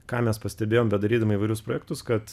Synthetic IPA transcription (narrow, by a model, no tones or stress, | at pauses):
kɑːmʲɛspɐsʲt̪ʲɛbʲeːjoːmbʲɛt̪d̪ɐɾʲiːd̪ɐmɐiːʋɐɪɾʲʊspɾoːjɛkt̪ʊskɐt̪